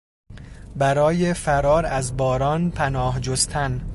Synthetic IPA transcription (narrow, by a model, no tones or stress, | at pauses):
bæɾɒːjefæɾɒːɾæzbɒːɾɒːnpʰænɒːhd͡ʒost̪ʰæn